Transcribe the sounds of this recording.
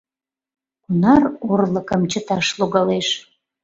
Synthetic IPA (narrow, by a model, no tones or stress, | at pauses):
kunɑrorləkəmt͡ɕət̪ɑʃluɣɑleʃ